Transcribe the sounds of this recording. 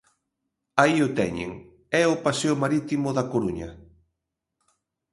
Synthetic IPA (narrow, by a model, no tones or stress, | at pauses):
aiʊt̪ɛ̰ɲḛŋ | ɛʊpaseʊmaɾit̪imʊðɐkoɾuɲɐ̰